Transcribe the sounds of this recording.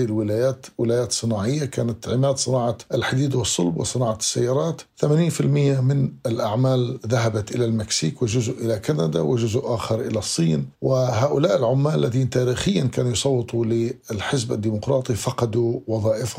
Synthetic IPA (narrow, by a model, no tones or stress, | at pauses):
ilwɪlaːjaːt̪wɪlaːjaːt̪sˤɨnaːʕɪjːakaːnat̪ʕɪmaːd̪sˤɨnɑːʕɑʔɪlħad̪iːd̪wɨsˤːʊlbwɪ̰sˤɨnɑːʕɑɪ̥sːajːɑːɾˤɑːt̪θamaːniːnfɪlmɪjːamɪnɪlʔaʕmaːlðaɦabat̪ʔɪlalmɪksiːkwɪʒʊzʔʔɪlakanad̪awɪʒʊzʔʔaːxɪɾˤʔɪ̰lasˤːiːnwɪɦaːʔʊlaːʔɪlʕʊmːaːlalːaðiːnt̪aːɾiːxɪjːankaːnujsˤɑwːɨt̪ˤulɪɪlħɪzba̰d̪ːiːmʊqɾˤɑːt̪ˤifɑqɑd̪uwɑðˤɑːʔɪfh